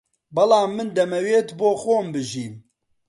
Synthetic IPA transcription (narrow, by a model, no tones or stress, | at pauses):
bɐlaːmːɨnd̪ɛmɛweːt̪boːxoːmbɨʒiːm